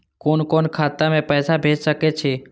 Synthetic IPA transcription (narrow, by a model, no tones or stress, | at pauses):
koːnkoːnkʰaːt̪amẽpɛːsabʱeːd͡ʒsəket͡ʃʰeː